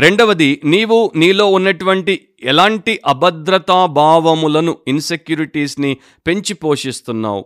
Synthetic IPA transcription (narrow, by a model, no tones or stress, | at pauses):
ɾe̞ɳɖɐʋɐd̪iniːʋuniːlo̞ːunːɐʈuʋɐɳʈi | ɛlaːɳʈiʔɐbɐd̪ɾɐt̪aːbʱaːʋɐmulɐnuinse̞kjuːɾiʈiːsni | pe̞ɲt͡ʃipo̞ːʂist̪unːa̰ːwṵ